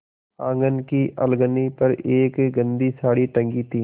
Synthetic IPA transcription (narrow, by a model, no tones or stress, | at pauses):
ãːŋɡənkiʔəlɡənipɐɾeːkɡə̃nd̪isaːɽiʈə̃ŋɡit̪iː